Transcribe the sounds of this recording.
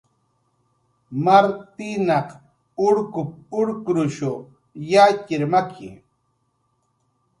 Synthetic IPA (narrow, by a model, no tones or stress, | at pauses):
maɾt̪ɪnɑq | ʊɾkʊp̚ʊɾkɾʊʃo | jacɪɾmakʰɪ̰